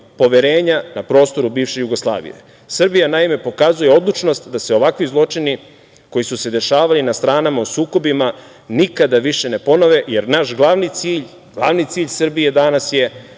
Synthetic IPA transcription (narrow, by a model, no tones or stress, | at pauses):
po̞ʋeɾe̞ːɲanapɾo̞ːst̪o̞ɾubiːʋʃe̞juɡo̞slˠa̰ːʋḭjḛ | sr̩bijanaime̞po̞kazujeo̞d̪lˠut͡ʃno̞st̪d̪aseo̞ʋakʋizlˠo̞t͡ʃini | ko̞jisuse̞d̪e̞ʃaːʋalinast̪ɾaːnamausuːko̞bima | nikad̪aʋiʃe̞ne̞po̞noʋeje̞ɾnaʃɡlˠaʋnit̪siːʎ | ɡ̥lˠaʋnit̪siːʎsrbije̞d̪anasje̞